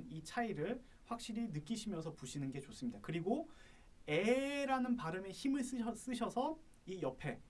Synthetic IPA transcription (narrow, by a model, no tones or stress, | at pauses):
nit͡ɕʰaiɾɯɭ | ɸwak̚ɕ͈iɾinɯk͈iɕʰimjʌnsʰʌpuɕʰinɯnɡe̞t͡ɕos͈ɯmɲidakɯɾiɡo | e̞ɾanɯnpaɾɯme̞çimɯɭs͈ɯʌs͈ɯɕʰʌsʰʌ | ijʌpʰe̞